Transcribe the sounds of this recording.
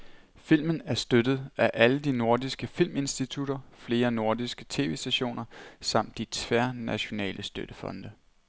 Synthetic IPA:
fil̰mn̩æɐsd̥ød̥ð̞̩ˠæʔæləd̥ino̝ɐ̰disɡ̥əfil̰me̝nsd̥it͡sʰud̥ɐfle̝ːɐno̝ɐdisɡ̥ət͡sʰe̝̰ːʋe̝ːsd̥æɕo̝̰ːnɐsɑ̈m̰d̥ːit͡sʰʋæɐnæɕo̝nɛ̰ːlʔəsd̥ød̥əfɒ̽nd̥ə

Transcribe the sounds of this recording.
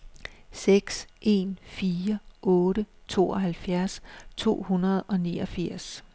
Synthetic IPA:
seɡ̥sʔe̝nfiːɐʔɔ̽ːɾət͡sʰo̝̰ːɒ̽ɦælfjæɐst͡sʰo̝̰ːhunɐð̞̩ˠɒ̽nḭːɒ̽fiɐ̰s

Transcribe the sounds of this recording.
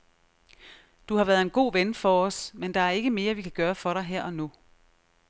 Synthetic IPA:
d̥uhɑ̈ʋæːɐð̩ˠe̝nɡ̥o̝̰ːʋenfɒːsmend̥ɑ̈æɐe̝ɡ̥əme̝ːɐʋikʰæɡ̥ɶːɐfɒ̽ɾɑ̈ɪɦeɐ̰ʔɒ̽nu

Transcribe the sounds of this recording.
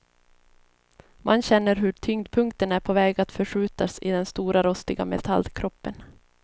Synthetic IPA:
mʔanɕɛnːəɾɦɵʈʰʏŋd̪pʰɵŋk̚t̪ənæɾpʰɔvɛːɡat̪fœʂʉ̟ːt̪asɪd̪ɛnst̪uːɾaɾɔst̪ɪɡamɛ̰t̪ʰa̰lːkʰɾɔpːən

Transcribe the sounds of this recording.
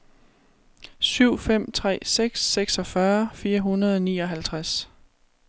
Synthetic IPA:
syʊ̰fem̰t͡sʰʁɛ̰ːseɡ̥seɡ̥sɒ̽fɶɐfiːɐɦunɐðˠɒ̽niːɒ̽ɦælt͡sʰʁas

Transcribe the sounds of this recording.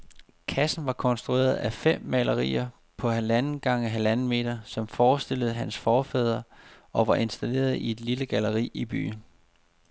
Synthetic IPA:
kʰæsn̩ʋɑ̈kʰɒ̽nsd̥ʁue̝̰ːɐð̞ˠæfem̰ːælɐʁḭːɐ | pʰɒ̽ɦælænn̩ɡ̥ɑ̈ŋəɦælænəme̝̰ːd̥ɐsɒ̽mfɒːsd̥e̝ləð̩ˠɦænsfɒːfɛð̞ˠɐʔɒ̽ʋɑ̈ʔe̝nsd̥æle̝̰ːɐð̩ˠie̝d̥liləɡ̥æləʁḭːib̥y̰ːn

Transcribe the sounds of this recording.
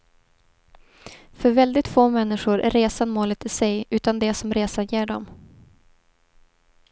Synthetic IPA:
fœɾvɛld̪ɪt̪foːmɛnːɪɧʊɾʔæ̰ɾːeːsanmoːlət̪ɪsɛjʉ̟ːt̪and̪ɛsɔmɾeːsajeːɖɔ̰m

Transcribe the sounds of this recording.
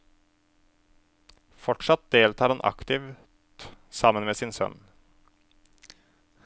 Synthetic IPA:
fɔʈʂɑt̪̚d̪eːlt̪ʰɑːɾɑnʔɑ̰kt̪ɪʋ̪ | sɑmənmeːsɪnsœ̰n

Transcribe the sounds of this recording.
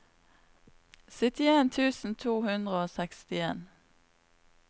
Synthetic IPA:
sɪt̪ɪeːnt̪ʰʉːsn̩t̪ʰuːhʉnd̪ʁəoːsɛkst̪ɪḛːn

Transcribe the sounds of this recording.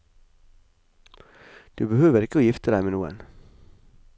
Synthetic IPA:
d̪̥ʉːbəhøːʋəɾɪkəoːjɪft̪əd̪æɪmeːnuːə̰n

